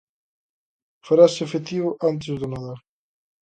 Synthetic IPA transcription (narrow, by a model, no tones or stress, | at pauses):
faɾasefet̪iβʊʔant̪̬ɪzðʊnaðaɾ